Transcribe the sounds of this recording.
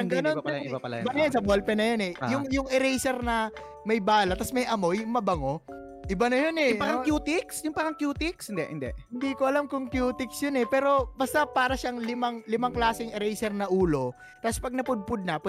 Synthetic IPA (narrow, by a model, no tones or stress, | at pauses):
ɐŋɡnonaɐlɐ̰bɐnɐjɐnsɐbolpɛnɐjonɛjʊŋjʊŋɛɾɛjsɛɾnɐ | mɐjbaːlɐt̪ːɐsmɐjʔɐmo̞jmɐbɐŋo̞ | ʔɪbanɐjonɛpɐkɐjuːt̪ɪksjʊŋpɐkɐŋkjuːt̪ɪkshɪnd̪ɛʔhɪ̰nd̪ɛhɪnd̪iːkoʔɐlamkʊŋkjuːt̪ɪksjonɛpɛːɾo̞bɐst̪ɐpaːɾɐʃaŋlɪmaŋlɪmaŋklaːsɛŋɛɾɛjsɛɾnɐʔuːlo̞ | t̪ɐspɐɡ̚nɐpʊd̪̚pʊd̪̚nɐp